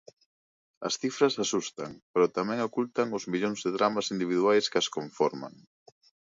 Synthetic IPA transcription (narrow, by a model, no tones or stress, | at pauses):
ɐ̰sθifɾɐsasust̪a̰ŋpeɾot̪amɛ̃ŋokult̪aŋʊzmiʎoŋzðɪðɾamasind̪iβiðuajskɐskoɱfɔɾma̰ŋ